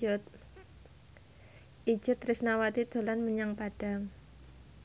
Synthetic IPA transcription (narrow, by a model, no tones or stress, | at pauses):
ʊt̪̚ | ʔi̥d͡ʒ̥ʊt̪rɪsnawat̪id̪̥o̤lanməɲaŋpaɖ̥a̤ŋ